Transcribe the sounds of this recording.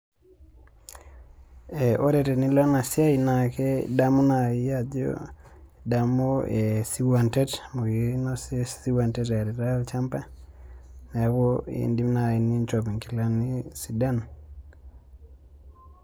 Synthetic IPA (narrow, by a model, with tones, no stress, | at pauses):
ɛ˨ʔo˦ɾɛ˨ɾɛ˨ni˦la˦na˨sja˦i˨na˨kɛ˦da˦mo˦na˨i˦ja˦djo̰˦da˨mo˦e˨si˦wa˨ntɛ˦tmo˨ɡi˨no˦ssi˦wa˨ntɛ˦ta˨ɾɛ˨ɾa˦ɔ˨t͡ʃa˦mpa˦ | na˨ko˦ḭ˨ndi˦mna˨i˨ni˦nt͡ʃo˨pi˨ŋki˨la˦ni˦si˨da˦˨n